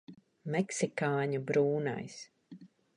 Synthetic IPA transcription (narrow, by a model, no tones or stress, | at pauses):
mɛksikaːɲubɾuːna̰js